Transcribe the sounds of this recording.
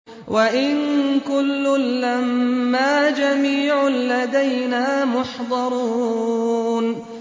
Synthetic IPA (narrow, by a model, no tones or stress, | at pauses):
wʔaʔɪnkʊlːʊlːamːaːd͡ʒamiːʕʊlad̪ajnaːmʊħd̪ˤɑɾˤuː | n